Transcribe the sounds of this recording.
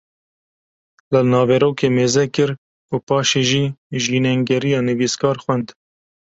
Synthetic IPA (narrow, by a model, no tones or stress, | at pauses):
lənɑːvɛɾoːkʰeːmeːzɛkɨɾ | kupɑːʃeːʒiːʒiːnɛŋɡɛɾijɑːnɨviːskɑːɾxwɛnd̪